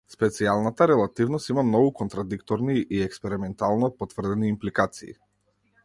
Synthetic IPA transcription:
spɛt̪sialˠnat̪aɾɛlˠat̪ivnɔst̪imamnɔɡukɔnt̪ɾad̪ikt̪ɔɾniʔiɛkspɛɾimɛnt̪alˠnɔpɔt̪v̥r̩d̪ɛniːmplikat̪sḭː

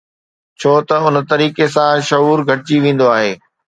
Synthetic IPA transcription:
t͡ɕʰoːt̪ɐʊn̆t̪ɐɾiːkes̬ãʃɐɦuːɾɡʱɐʈɪt͡ɕiʋẽːn̆d̪oaːɦeː

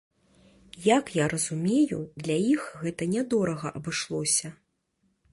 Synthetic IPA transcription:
jakjaɾɐzumʲejṵd̪lʲɐjixɣɛt̪ɐnʲɛd̪ɔɾɐɣɐ̰ʔɐbɨʂlˠɔsʲɐ

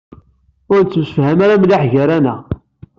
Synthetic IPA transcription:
ʊɾt͡sːmsəfhæmaɾablaħʝæɾænæ

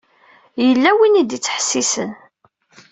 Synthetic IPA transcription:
jəlːæwinid̪it͡sːə̥ħə̥sːisən

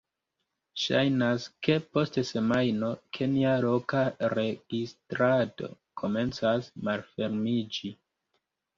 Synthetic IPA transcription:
ʃa̰jnaske̞po̞stese̞majno̞kʰe̞nialo̞kaɾe̞ɡ̥istɾado̞̰ | kʰo̞me̞nt͡sasmalfe̞ɾmid͡ʒi

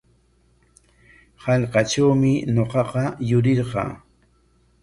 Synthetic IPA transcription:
hɑʎqɑʈ͡ʂawmɪɲoqɑqɑjʊɾɪɾqɑ̰ː

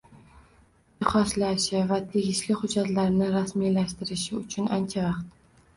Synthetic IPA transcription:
ɪχɒslaʃɪvat̪ʰe̞ɡʲɪʃlɪhʊd͡ʒat̪laɾnɪɾasmilaʃt̪ɪɾɪʃɪʊt͡ʃʰʊnant͡ʃʰavɑqt̪

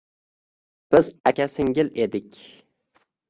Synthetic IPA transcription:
b̥ɪzakʲasɪŋɡʲɪle̞d̪ɪkʲ

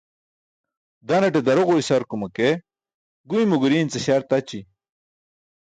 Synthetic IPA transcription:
d̪ɐneʈ̬ed̪ɐɾoʁoisɐɾkumɐke | ɡuimuɡuɾiːnt͡seɕaɾt̪ɐt͡ɕi

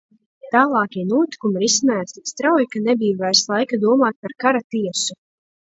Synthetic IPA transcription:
t̪aːlˠɑːkiɛnuɔt̪i̥kumiɾismaːt̪ist̪ɾawjkanɛbijvajslˠajkad̪uɔmaːt̪̚paɾkaɾat̪iɛsu

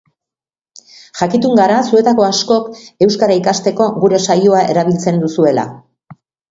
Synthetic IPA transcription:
ʝakit̪uŋɡaɾasue̞t̪ako̞asko̞ke̞wskaɾaikast̪e̞ko̞ɣuɾe̞sajoae̞̰ɾaβ̞ilt͡se̞nd̪usue̞la̰

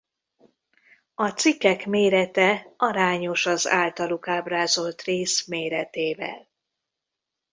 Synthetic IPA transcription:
ɒt̪sikːɛkmeːɾɛt̪ɛɒɾaːɲo̞ʃɒza̰ːlt̪ɒlukaːbraːzo̞lt̪reːsmeːɾɛt̪eːvɛ̰l

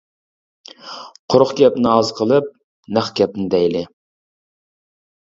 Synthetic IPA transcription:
qʰʊɾʊχkʲɛpnɪɑzqʰəlˠɨp̚ | næχkʲɛp̚nɪd̪ɛjlɪ

